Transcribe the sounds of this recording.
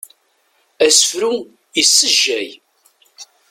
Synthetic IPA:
æsəfɾu | jəsːəʒːæj

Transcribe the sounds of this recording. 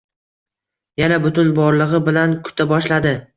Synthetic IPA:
janabʊt̪ʊnbɒɾlˠɨʁɨbɪlankʰʊ̥t̪ʰabɒʃlad̪ɪ

